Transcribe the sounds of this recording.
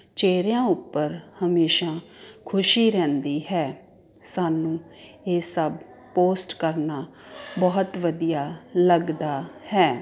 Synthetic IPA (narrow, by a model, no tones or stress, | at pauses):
t͡ʃeːɾjãːʊpːəɾhəmeːʃaːkʰʊʃiːɾɛ̃ːnd̪iːɦɛː | saːnũː | eːsəb | poːsʈkəɾnaː | bɔːət̪ʋəd̪ijaːləɡd̪aːhɛː